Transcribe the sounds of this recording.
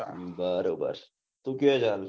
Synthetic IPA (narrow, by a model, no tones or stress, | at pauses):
bəɾoːbə̰ɾ | t̪ukiɛd͡ʒaːl